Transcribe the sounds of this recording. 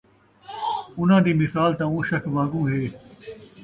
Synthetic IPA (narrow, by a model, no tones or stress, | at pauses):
ʊn̤ãːd̪iːmɪsaːlt̪ãːũːʃɐkʰʋã̆ːɡũːɦeː